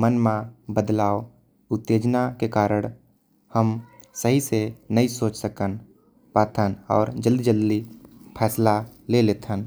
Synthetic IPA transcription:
mənmẽbəd̪laːo | ʊt̪ːeːd͡ʒnakekaːɾəɽ̃ | həm | səɦisenəisoːt͡ʃsəkən | paːt̪ʰənɔ̰ːɾd͡ʒəld̪d͡ʒəlːipʰɛːslaleleːt̪ʰən

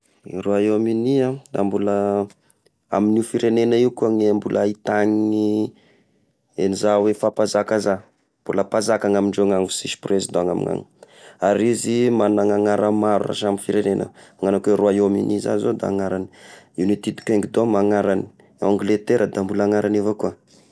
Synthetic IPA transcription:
iroaeaminiad̪a̰mbulə | aminifiɾenenəiukuaŋeambulʔait̪aɲii | enizawefapazakaza | mb̥uləpazakaŋamiɳɖ͡ʐeaŋaŋusispresd̪aŋa̰mḭŋa̰ŋi̥ | aɾizimanaŋaŋaɾəmaɾura̰ʃamifiɾenenə̰aŋanakweɾuaemḭniza̰zod̪a̰aŋaɾani̥unit̪id̪u̥kʲeŋɡid̪omaŋaɾani̥ | aŋɡlet̪eɾʔəd̪ambulaŋaɾʔanevakuə

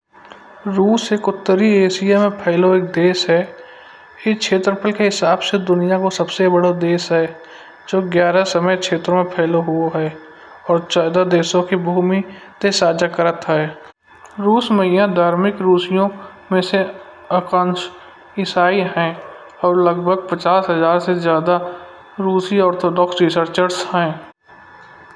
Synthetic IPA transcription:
ɾuːseːkʊt̪ːəɾieːsɪjamẽpʰɛːloeːk̚d̪eːsɦɛ | kikʃʰeːt̪ɾəpəlkeɦɪsaːbsed̪ʊnijakosəbsebəɽod̪eːsɦɛː | d͡ʒoːɡjaːɾasəməjkʃʰeːt̪ɾmẽpʰɛːloɦuoɦɛː | ɔːɾt͡ʃaːd̪ad̪eːsõkibʱuːmit̪esaːd͡ʒakəɾət̪ɦɛː | ɾuːsməɦɪjãd̪ʱaːɾmɪkɾuːsijõ | mẽse | əkãːnʃ | ɪsaːiɦɛ̃ː | ɔːɾləɡbʱəɡ̚pət͡ʃaːsɦəzaːɾsezjaːd̪a | ɾuːsiɔːɾt̪ʰoːɖɔːksɾɪsəɾt͡ʃəɾsɦɛ̃ː

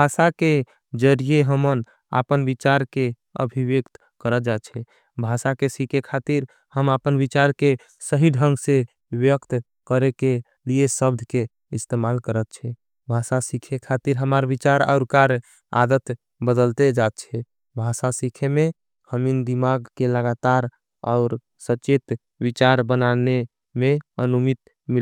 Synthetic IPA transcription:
bʱasake | d͡ʒəɾijeɦəmən | a̰pənbit͡ʃaɾke | ə̰bʱiʋekt̪ | kəɾəd͡ʒat̪t͡ʃʰɛ | bʱasakesikʰekʰat̪iɾ | həmapənbit͡ʃaɾke | səɦiɖʱəŋɡsẽ | ʋjəkt̪ | kəɾeke | liesəb̚d̪ʱke | ist̪emalkəɾət̪̚t͡ʃʰɛ | bʱasasikʰekʰat̪iɾɦəmaɾbit͡ʃaɾa̰ʊɾkaɾ | a̰d̪ət̪ | bəd̪əlt̪ed͡ʒat̪̚t͡ʃʰɛ | bʱasasikʰeme | həmind̪imaɡkeləɡat̪aɾ | ɔ̰ʊɾ | sət͡ʃet̪ | bit͡ʃaɾbənane | meənumit̪ | mil

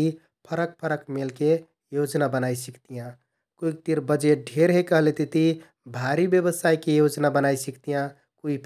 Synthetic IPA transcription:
i | pʰəɾək̚pʰəɾəkmelke | jod͡ʒnabənaisikt̪ijã | kuik̚t̪iɾbəd͡ʒeʈ̚ɖʱeɾɦekəɦlet̪et̪i | bʱaɾibjəβəsajkejod͡ʒnabənajsikt̪ijã | kuipʰ

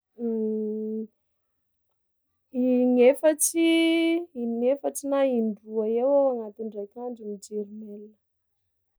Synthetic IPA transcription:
iŋefaʈ͡ʂi | inefaʈ͡ʂinaiɳɖ͡ʐuaewaaŋat̪iɳɖ͡ʐekaɳɖ͡ʐimid͡ʒeɾimelə̥

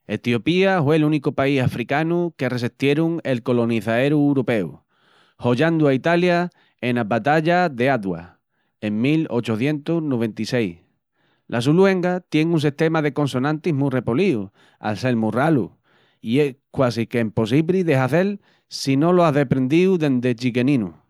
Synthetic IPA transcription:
e̞t̪jo̞piafwe̞lunikopaisafɾikanuke̞re̞sit̪je̞ɾuŋe̞lko̞lo̞niθae̞ɾuɾope̞ṵ | ho̞ʎand̪uait̪alja | enaβat̪aʎaðe̞aðwa̰ | eŋmilo̞t͡ʃoθje̞nt̪usnoβ̞e̞nt̪ise̞j | lʔas̬ulwe̞ŋɡat̪je̞ŋuns̬iht̪e̞maðe̞ko̞nso̞nãnt̪iɦmure̞poliu | a̰lse̞lmuralṵ | ie̞skwasikeimpo̞s̬iβɾiðe̞ɦaθe̞l | sino̞loaɦðe̞pɾe̞nd̪iuðe̞nd̪e̞t͡ʃiɣe̞nĩnṵ

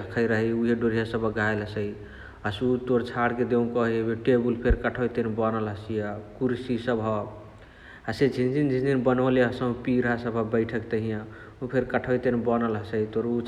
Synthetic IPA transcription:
kʰəjɾəɦɛuɦeɖoɾijasəbʱəɡaelɦəsə | asut̪oɾt͡ʃʰaɽked̪eũkəɦebeʈebulpʰeɾkəʈʰəjt̪enbənəlɦəsijakuɾsisəbʱɦə | aset͡ʃʰind͡ʒind͡ʒisd̪inbənəleɦəsə̃piɾasəbʱəbəɪʈʰəkt̪əɦijã | upʰeɾkəʈʰəjt̪enbənəlɦəsəit̪oɾu

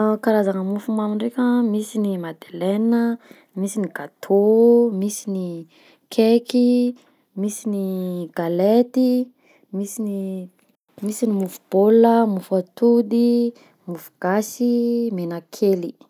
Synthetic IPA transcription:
kaɾazaŋəmufumamiɳɖ͡ʐekʲəmisinimad̪elenə | misiniɡat̪ʰomisini | kʰeki | misiniɡ̥alet̪i | misini | misinimufu̥b̥oləmufat̪ud̪i | mufu̥ɡ̥asimenakʰeli

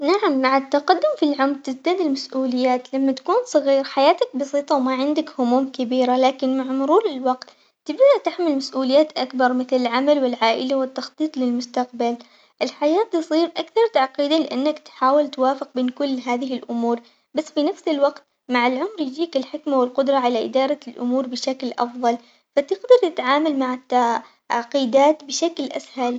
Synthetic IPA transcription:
naʕamːaʕat̪ːaqɑd̪ːʊmfilʕʊmɾt̪ɪzd̪aːd̪ɪlmasʔuːlɪjːaːt̪lamːat̪ḁkuːnsˤɑɣiːɾħajaːt̪ak̚bɑsˤiːt̪ˤɑwmaʕɪnd̪akhʊmuːmkɪbiːɾalaːkɪnmaʕmʊɾuːlɪlwɑqt̪ː | ɪbd̪aʔt̪ɪħmɪlmasʔuːlɪjːaːt̪ʔakbɑɾˤmɪθlɪlʕamalwɪlʕaːʔɪlawɪt̪ːɑxt̪ˤiːt̪ˤlɪlmʊst̪aqbal | ʔɪlħajaːt̪ːɨsˤiːɾʔakθɑɾˤt̪aʕqiːd̪alɪʔanːakt̪ħaːwɪlt̪waːfɪq̚beːnkʊlːɦaːðɪɦɪlʔʊmuːɾˤ | basːfinafsɪlwɑqt̪ | maʕɪlʕʊmɾjd͡ʒiːkɪlħɪkmawɪlqʊd̪ɾˤɑʕalaʔɪ̰d̪ɑːɾˤɑlʔʊ̰muːɾbɪʃaklʔɑ̰fðˤɑl | fat̪ɪɡd̪ɑɾˤt̪ɪt̪ʕaːmalmaʕɪt̪ːa | ʕqiːd̪aːt̪bɪʃaklʔa̰shal

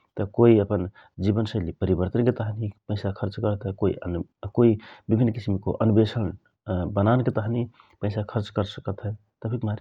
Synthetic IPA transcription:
t̪əkoiəpən | d͡ʒibənsə̃lipəɾibəɾt̪ənket̪əɦnipəɪsakʰəɾt͡ʃkəɾt̪ɦɛkoḭənkoibibʱinːkisimko̰ʔənbesən | bənanket̪əɦni | pəɪsakʰəɾt͡ʃkəɾsəkət̪ɦɛ | t̪əpʰikmaɾ

